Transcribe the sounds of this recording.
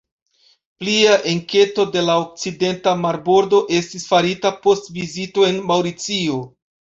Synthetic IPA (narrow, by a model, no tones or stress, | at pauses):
pliaʔeŋke̞to̞de̞laok̚t͡side̞ntamaɾbo̞ɾdo̞ʔe̞stisfaɾitapo̞stvizito̞e̞nmawɾit͡sio̞